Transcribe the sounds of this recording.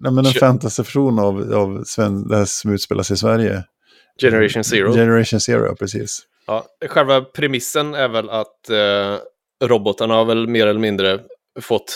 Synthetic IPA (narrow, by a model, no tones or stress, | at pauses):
nɛmɛnd̪ɛnfɛnt̪ast̪əfæʂuːnavavsvɛnd̪ɛhæːɔmʉːt̪spḛːlʔa̰sɪsvæɾjə | d͡ʒɛnəɾaʊnsɪɾd͡ʒɛnəɾaʂʊnsɪ̰ːɾ̰ʊ̰pʰɾɛsḭːs | ʔɑːɧɛlvapʰɾɛmɪsːənæɾvɛlat̪ | ɾɔbɔt̪aɳahaɾvɛlmeːɾɛlːəmɪnd̪ɾə | fɔt̪ː